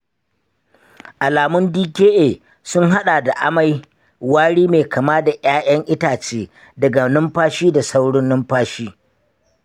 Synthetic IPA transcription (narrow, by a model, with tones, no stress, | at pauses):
ʔa˨laː˨mʊ˦ndiː˦kʲeː˦ʔeː˨ | sʊ˦ŋɦa˦ɗaː˨da˨ʔa˦ma˦j | waː˦ɽiː˦meː˨kʰa˨maː˦da˨j̰aː˦j̰ɐ˦ŋʔɪ˦taː˨t͡ʃeː˦ | dɐ˨ɡa˨nʊ˦mɸaː˦ʃiː˦da˨sa˦wɽʊ˦nːʊ˦mɸaː˦ʃiː˦